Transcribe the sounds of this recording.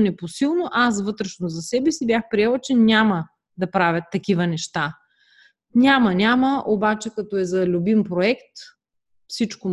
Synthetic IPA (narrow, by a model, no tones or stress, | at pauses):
nɛposilˠnoʔas̬vɤt̪ɾɛʃnozɐsɛbɛsibjaxpɾiɛlˠt͡ʃɛnʲamə | d̪ɐpɾavʲət̪ːɐkʲivɐnɛʃt̪a | nʲamɐnʲaməʔobat͡ʃɛkɐt̪ɔɛzɐlʲubimpɾoɛkt̪ | fsit͡ʃko